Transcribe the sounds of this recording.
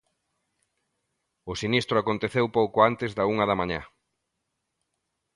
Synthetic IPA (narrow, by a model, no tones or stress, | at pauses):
ʊsinist̪ɾʊakont̪eθewpowkʊant̪ɪzðɐuŋɐðɐmaɲa̰